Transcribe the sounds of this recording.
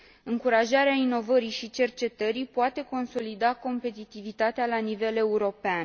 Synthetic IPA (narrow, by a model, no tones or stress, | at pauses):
ɨŋkuɾaʒaɾeaino̞vəɾijʃit͡ʃe̞rt͡ʃe̞t̪əɾijpoat̪e̞ko̞nso̞lid̪ako̞mpe̞t̪it̪ivit̪at̪ealanive̞le̞uɾo̞pean